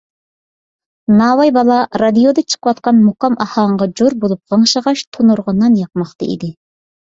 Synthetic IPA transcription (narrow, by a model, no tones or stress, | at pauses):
nɑːwɑjbɑlˠɑɾɑd̪ijod̪ɑt͡ʃʰə̥qəwɑt̪̚qɑnmuqɑmʔɑhɑɴʁɑd͡ʒoɾbolˠup̚ʁɑŋʃəʁɑʃt̪ʰonuɾʁɑnːɑnjɑq̚mɑχt̪ɑ̰ḭd̪ɪ